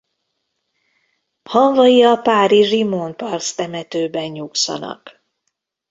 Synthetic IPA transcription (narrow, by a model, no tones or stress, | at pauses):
hɒɱvɒjiɒpaːɾiʒimonpɒrst̪ɛmɛt̪øːbɛnɲuksɒ̰nɒ̰k